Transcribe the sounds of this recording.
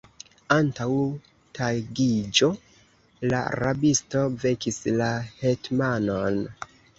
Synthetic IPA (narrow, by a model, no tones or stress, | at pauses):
antaw | tʰaɡid͡ʒo̞ | la̰ɾabisto̞ve̞kislahetmanon